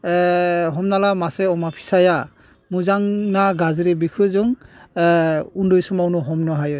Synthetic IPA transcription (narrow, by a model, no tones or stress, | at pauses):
ɦɔmnalamasɛɔmapʰi̥saja | muzaŋnaɡaziɾɛbikʰuzɔŋ | undɔjsɔmaunɔɦɔmnɔɦajɔ